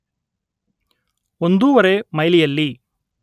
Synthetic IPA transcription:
o̞nd̪uːʋɐɾemɐjlijɐlːi

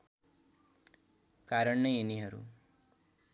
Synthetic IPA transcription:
kaɾʌɳnʌjeniɦʌɾṵ

